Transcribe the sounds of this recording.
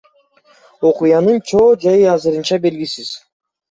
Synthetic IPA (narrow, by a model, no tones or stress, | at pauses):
o̞qujɑnɯnt͡ʃʰo̞ːd͡ʒɑjɯɑzɯɾɯnt͡ʃɑbe̞lɡʲisiz̥